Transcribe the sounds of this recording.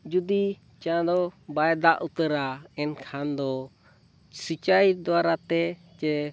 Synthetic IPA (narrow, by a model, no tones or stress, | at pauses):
d͡ʒud̪i | t͡ʃãd̪ɔbajd̪aʔut̪əɾaɛnkʰand̪ɔ | sit͡ʃajd̪ɔwaɾat̪ɛ | t͡ʃɛ